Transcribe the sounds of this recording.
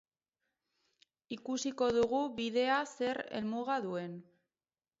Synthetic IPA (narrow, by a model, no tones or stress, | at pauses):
ikusiko̞ðuɣuβiðe̞ase̞ɾe̞̰lmuɣ̞aðue̞n